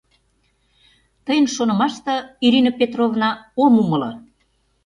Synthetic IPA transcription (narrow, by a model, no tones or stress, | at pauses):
t̪əjənʃonə̆mɑʃt̪ɤ̆iɾinopet̪rovnɑomumə̆lɤ̰̆